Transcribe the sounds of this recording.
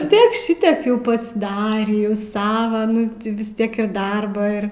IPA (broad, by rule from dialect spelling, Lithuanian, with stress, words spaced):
ʋʲɪs ˈtʲiɛk ˈʃʲɪtʲiɛk ˈjɛʊ pɐsʲɪˈdɑːrʲiː jɛʊ ˈsɑːʋɐ ˈnʊ tʲɪ ʋʲɪs ˈtʲiɛk ɪr ˈdɐrbɑː ɪr